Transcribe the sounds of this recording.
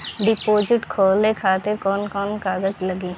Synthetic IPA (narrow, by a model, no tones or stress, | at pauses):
ɖɪpoːd͡ʒɪʈkʰoːlekʰaːt̪ɪɾkɔːnkɔːnkaːɡəd͡ʒləɡiː